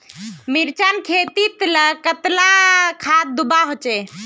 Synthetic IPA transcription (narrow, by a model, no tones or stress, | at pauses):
miɾt͡ʃankʰet̪it̪ləkət̪lakʰat̪̚d̪ubaɦot͡ʃe